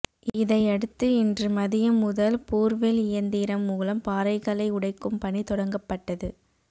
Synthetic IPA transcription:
ɪðɐɪɐɽɯt̪ːɯɪndrɯmɐðɪjɐmʊðɐlpuːɾʋelɪjɐnd̪iːɾɐmːuːlɐmpaːɾɐɪɣɐlɐɪʊɽɐɪkːɯmpɐɳit̪ɔɽɐŋɡɐpːɐʈːɐðɯ

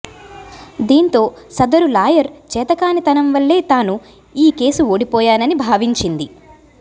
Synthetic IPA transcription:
d̪iːnt̪o̞ːsɐd̪ɐɾulaːjɐɾt͡ʃɛːt̪ɐkaːnit̪ɐnɐmʋɐɭːe̞ːt̪aːnu | iːke̞ːsuoːɽipɔːjaːnɐnibʱaːʋiɲt͡ʃind̪i

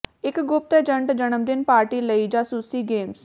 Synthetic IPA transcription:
ɪkɡʊp̚t̪ɛːd͡ʒəɳʈd͡ʒəɳəmd̪ɪnpaːɾʈiːləiːd͡ʒaːsuːsiːɡeːms

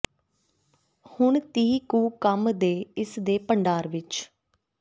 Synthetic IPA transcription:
hʊɳt̪iːkuːkəmd̪eːɪsd̪eːpəɳɖaːɾʋɪt͡ʃ

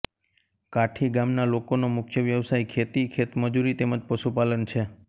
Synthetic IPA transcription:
kaʈʰiɡamnalokonomʊkʰjəʋjəʋsaikʰet̪ikʰet̪məd͡ʒuɾit̪eməd͡ʒpəʃupalənt͡ʃʰe

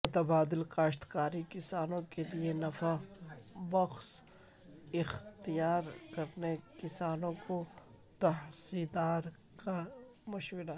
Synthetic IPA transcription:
mʊt̪ɐbaːd̪ɪlkaːʃt̪kaːɾikɪsaːnõkelienɐfa | bɐqs | ɪxt̪ijaːɾkɐɾnekɪsaːnõko | t̪ɐɦsiːd̪aːɾ | ka | mʊʃwɪɾa

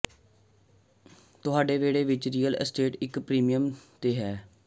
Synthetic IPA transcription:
t̪ʊɦaːɖeːʋeːɽeːʋɪt͡ʃɾiːjələ̰sʈeːʈɪkpɾiːmijəmt̪eːɦɛː

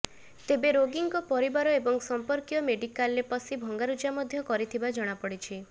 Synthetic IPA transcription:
t̪ebeɾoɡiŋkɔpɔɾibaɾɔebɔŋsɔmpɔɾkjɔmeɖikalːepɔsibʱɔŋɡaɾud͡ʒamɔd̪ʱjɔkɔɾit̪ʰibad͡ʒɔɽ̃apɔɽit͡ʃʰi

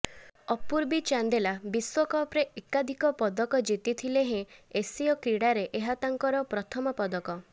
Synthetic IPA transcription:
ɔpuɾbit͡ʃand̪elabiswɔkɔpɾeʔekad̪ʱikɔpɔd̪ɔkɔd͡ʒit̪it̪ʰileɦẽesiɔkɾiɽaɾeʔeɦat̪aŋkɔɾɔpɾɔt̪ʰɔmɔpɔd̪ɔkɔ

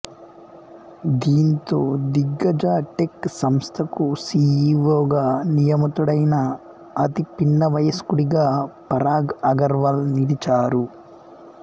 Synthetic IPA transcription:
d̪iːnt̪o̞ːd̪iɡːɐd͡ʒaːʈeksɐmst̪ʰɐkusiːiʋoːɡaːnijɐmɐt̪uɽɐjnɐ | ɐt̪ipinːɐʋɐjɐskuɽiɡaːpɐɾaːɡɐɡɐɾʋɐlniɽit͡ʃaːɾu

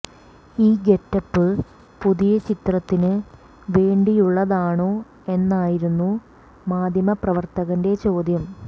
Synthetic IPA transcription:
iːɡe̞tːɐpːɨ | puðijɐt͡ɕit̪rɐt̪ːinɨ | ʋe̞ːɳɖijuɭːɐðaːɳoː | e̞nːaːjiɾunːu | maːd̪ʱjɐmɐprɐʋɐrt̪ɐɣɐnde̞t͡ɕo̞ːd̪ʱjɐm

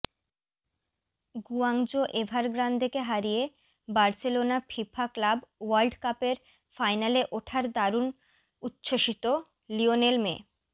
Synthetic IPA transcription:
ɡuaŋd͡ʑoʔebʱaɾɡɾand̪ʱekeɦaɾije | baɾselonapʰipʰaklabwalɖkapeɾ | fajnaleʔoʈʰaɾd̪aɾun | ut̪ːɕoʃit̪o | lionelmḛ

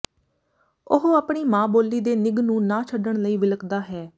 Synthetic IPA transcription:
ʊɦaːpɳiːmãːboːlːiːd̪eːnɪɡnũːnãːt͡ʃʰəɖəɳləiːʋɪləkd̪aːɦɛː

